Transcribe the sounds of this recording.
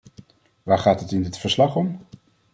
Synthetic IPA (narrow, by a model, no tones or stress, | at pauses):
ʋaːɹχaːtɦətɪndɪtfəɹslɑχɔm